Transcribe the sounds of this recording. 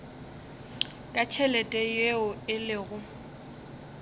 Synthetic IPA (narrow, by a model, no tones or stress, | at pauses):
kʼat͡ʃʰɛlɛtʼɛjeʊɪlɪːɣʊ